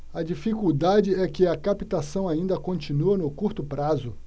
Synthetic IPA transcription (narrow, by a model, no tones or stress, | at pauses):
ɐd͡ʒifikuwd̪ad͡ʒɪɛkɪɐkapit̪asɐ̃w̃aĩnd̪ɐkõnt͡ʃinuɐnʊkuɾt̪ʊpɾazʊ